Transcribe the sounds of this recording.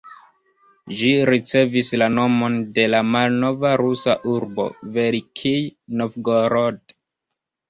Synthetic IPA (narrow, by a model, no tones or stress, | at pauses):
ʒiɾit͡se̞vislano̞mo̞nde̞lamalno̞vaɾusaʔuɾbo̞̰veɾikʰijnofɡoɾod